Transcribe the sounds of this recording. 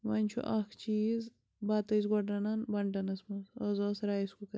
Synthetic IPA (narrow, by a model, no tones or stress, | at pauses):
ʋɐnʲt͡ʃʰṵʔɐkʰt͡ʃiːz | baːt̪ɐz̬ɡɐɖɐnɐnbɐɳʈɐnɐsmɐzɐzoːsɾaːjiskukɐ